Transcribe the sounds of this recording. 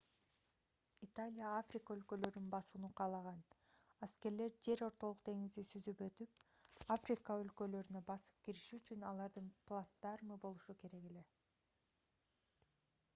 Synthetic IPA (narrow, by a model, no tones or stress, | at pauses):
it̪alʲijaafrʲikəø̞lkø̞lø̞ɾynbɑsunuqʰɑːlˠɑʁɑnaske̞ɾle̞ɾd͡ʒe̞ɾo̞ɾt̪o̞lˠuq̚d̪e̞ŋizd̪isyzypø̞t̪yp̚afrʲikəø̞lkø̞lø̞ɾynø̞bɑsɯ̥p̚kiɾiʃyːt͡ʃynɑlˠɑɾd̪ɯnplˠast̪ɑɾmɯbo̞lˠuʃuke̞ɾe̞ɡe̞le̞